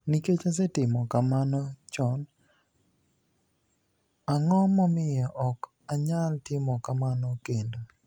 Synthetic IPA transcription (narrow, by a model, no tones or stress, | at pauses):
niket͡ʃas̬ɛtɪmɔkamanɔt͡ʃɔn | aŋɔmɔmɪjɔʔɔk | aɲaltɪmɔkamanɔkendo